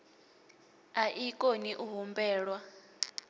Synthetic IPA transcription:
aʔikʼoniʔuɦumbɛːɺwa

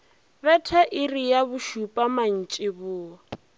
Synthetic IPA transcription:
bɛtʰaʔɪrijaβʊʃupʼaman̩t͡ʃʼɪbʊːa

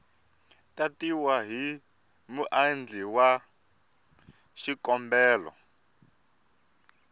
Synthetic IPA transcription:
tatiwaɦi | muʔand͡ɮiwa | ʃikɔmbɛːlɔ̰

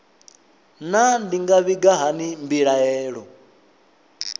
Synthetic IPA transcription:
nandiŋɡaβiɡaɦanimbiɺaɛːɺɔ

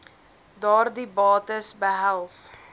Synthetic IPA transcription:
dɑːrdibɑːtəsbəɦælˠs

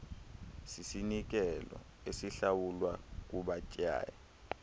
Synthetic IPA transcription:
sisinik̬ɛlɔ̰ | esiɬawulwak̬ʼuɓacʼja̰ːja

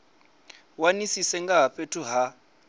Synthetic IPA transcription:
wanisisɛŋɡaɦaɸetʰuɦa

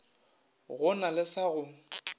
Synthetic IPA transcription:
ɣʊnalɪsaɣʊ

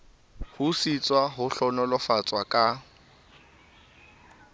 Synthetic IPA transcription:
husit͡sʼwaɦʊɬɔnɔlɔfat͡sʼwakʼa

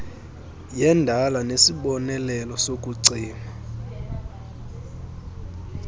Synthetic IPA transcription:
jɛndʱalanesiɓɔnɛlɛlɔsok̬ʼuǀiːma

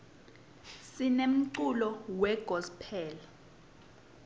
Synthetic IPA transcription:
sinem̩ǀulɔwɛɡ̥ʱɔspʰɛːl

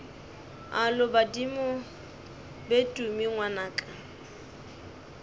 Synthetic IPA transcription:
alʊbadimʊ | betʼumiŋwanaːkʼa

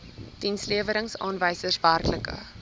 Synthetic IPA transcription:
d̥insliəvəɾəŋsɑːnvəjsərsværkləkə̰

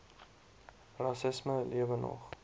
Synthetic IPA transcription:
rɑsɪsməliəvənɔ̰χ

